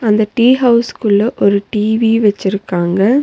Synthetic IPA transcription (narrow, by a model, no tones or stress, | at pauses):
ɐnd̪ɐʈiːɦɐʊskɯɭːɐʔɔɾɯʈiːʋiʋɛt͡ʃːɪɾɯkːaːŋɡɐ